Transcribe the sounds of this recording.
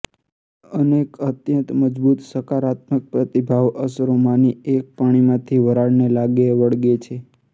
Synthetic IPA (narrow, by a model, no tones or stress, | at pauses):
ənekət̪jə̃nt̪məd͡ʒbut̪səkaɾat̪̚mək̚pɾət̪ibʱaʋʔəsɾomaniek̚paɽ̃imãt̪ʰiʋəɾaɽnelaɡeʋəɽɡet͡ʃʰe